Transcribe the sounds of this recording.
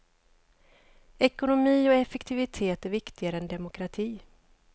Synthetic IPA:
ɛkʊnʊmiːɔɛfɛkt̪ʰɪvɪt̪ʰeːt̪æɾvɪkt̪ɪɡaɾəɛnd̪ɛmʊkɾat̪ʰiː

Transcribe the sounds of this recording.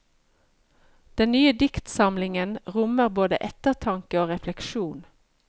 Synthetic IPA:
d̪̥ɛnnyːəd̪ɪkt̪sɑmlɪŋənʁʊməʁboːd̪ə̰ʔɛt̪əʁt̪ʰɑŋkəoːʁɛflɛkʃuːn

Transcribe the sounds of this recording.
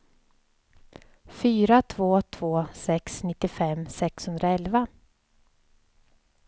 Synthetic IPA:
fyːɾat̪ʰvoːt̪ʰvoːsɛksnɪt̪ːɪfɛmːsɛkshɵnd̪ɾaɛlva

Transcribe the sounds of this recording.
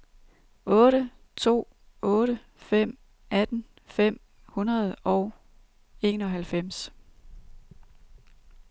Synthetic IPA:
ʔɔ̽ːɾə | t͡sʰo̝̰ː | ɔ̽ːɾə | fem̰ | æd̥n̩ | fem̰ | hunɐð̞̩ˠɒʊ | e̝̰ːnɒ̽ɦælfem̰s

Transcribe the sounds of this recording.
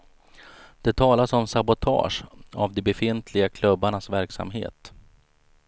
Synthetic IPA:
d̪̥ɛt̪ʰɑːlasɔmsabʊt̪ʰɑ̰ːʂavd̪ɛbɛfɪnt̪ʰlɪɡakʰlɵbːaɳasvæɾksa̰mɦḛːt̪

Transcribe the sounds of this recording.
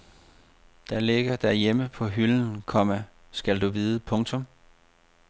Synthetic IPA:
d̥æle̝ɡ̥ɐd̥æɐjeməpʰɒ̽ɦyln̩kʰɒ̽mæ | sɡ̥æld̥uʋiːðˠəpʰɔ̽ŋt͡sʰɔ̽m

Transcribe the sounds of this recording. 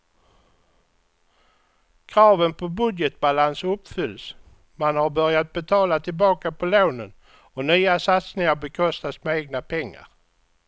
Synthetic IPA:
kʰɾɑːvənpʰɔbɵd̪jət̪̚balansɵpːfʏlːs | manhaɾbœɾjat̪̚bɛt̪ʰɑːlat̪ʰɪlbɑːkapʰɔloːnən | ɔnyːasat̪snɪŋaɾbɛkʰɔst̪asmɛeːɡnapʰɛŋːa̰ɾ

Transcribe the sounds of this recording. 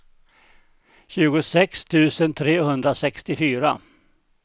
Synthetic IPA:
ɕʉ̟ːɡʊsɛkst̪ʰʉ̟ːsənt̪ʰɾeːɦɵnd̪ɾasɛkst̪ɪfyːɾa̰

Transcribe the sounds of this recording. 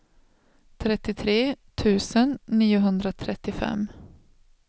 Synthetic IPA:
t̪ʰɾɛt̪ːɪt̪ʰɾeːt̪ʰʉ̟ːsənːiːʊɦɵnd̪ɾat̪ʰɾɛt̪ːɪfɛ̰m

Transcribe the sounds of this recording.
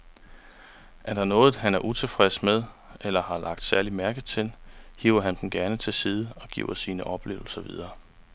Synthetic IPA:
ʔæd̥ɑnɔ̽ːð̩ˠɦænæɐʔut͡sʰe̝fʁɛsmeðˠ | elɐhɑ̈lʔɑ̈ɡ̥̚d̥sæɐlimæɐɡ̥ð̩ˠt͡sʰe̝lhḭːʊɐɦænd̥n̩ɡ̥æɐnət͡sʰe̝lsiːð̞ˠəɒ̽ɡ̥ḭʊɐsiːnəʔɒ̽b̥le̝̰ːʊl̩sɐʋḭð̞ˠɐː

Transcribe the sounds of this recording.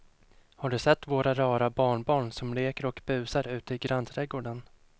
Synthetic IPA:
haɖɵsɛt̪ːvoːɾaɾɑːɾabɑːɳbɑːɳsɔmleːkəɾɔkb̥ʉ̟ːsaɾʉ̟ːt̪əɪɡɾant̪ʰɾɛɡoːɖən

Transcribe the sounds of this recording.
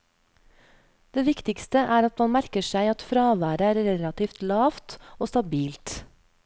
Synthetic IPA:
d̪̥eːʋɪkt̪ɪkst̪əʔæːɾɑt̪mɑnmæɾkəʃæɪɑt̪fɾɑːʋæːɾəæːɾɾɛlɑt̪iːft̪lɑːft̪oːst̪ɑbiːlt̪

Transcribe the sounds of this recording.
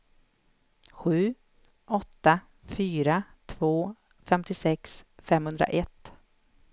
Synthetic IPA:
ɧʉ̟ː | ʔɔt̪ːa | fyːɾat̪ʰvoː | fɛmt̪ɪsɛksfɛmhɵnd̪ɾa̰ʔɛt̪ː

